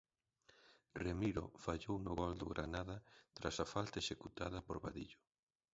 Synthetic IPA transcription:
remiɾo̰faʎownʊɣɔld̪ʊɣɾʔanaðɐt̪ɾasafalt̪ɐeʃekut̪aðɐpoɾβaðiʎʊ

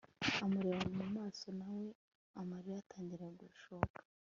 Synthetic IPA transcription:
amaɾewanumumaːso̞nawe̞ | amaɾiɾataːɲɟiɾaɡuʃokḁ

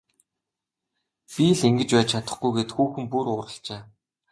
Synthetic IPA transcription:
pʲiɮiŋɡɘ̆t͡ɕpæːt͡ɕʰat̪ə̆χɡujɡeːt̪xuːxɘ̆mpuɾʊːɾə̆ɬt͡ɕeː

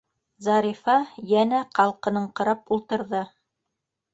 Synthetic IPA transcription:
zɑɾifɑjænæqɑlˠqɤ̆nɤɴqɤ̆ɾɑpulˠt̪ɤ̆ɾðɤ

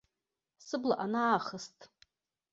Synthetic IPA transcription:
sɨbla̰ʔanaːχəstʼ

